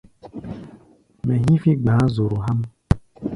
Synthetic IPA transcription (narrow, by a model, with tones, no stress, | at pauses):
mɛ̃˨ɦĩ˦fi˦ɡ͡bãː˨˦zo˨ɾu˨ɦa˦m